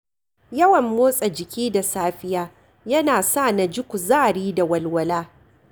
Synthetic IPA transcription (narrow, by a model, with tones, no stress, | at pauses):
jɐ˦wɐ˨mːoː˦sʼɐ˨d͡ʒɪ˨kʲiː˦da˨saː˦ɸɪ˦jaː˦ | jɐ˦naː˨sa˦˨na˨d͡ʒɪ˦kʷu˨zaː˦˨ɽiː˦da˨wɐ˨lwɐ˨laː˦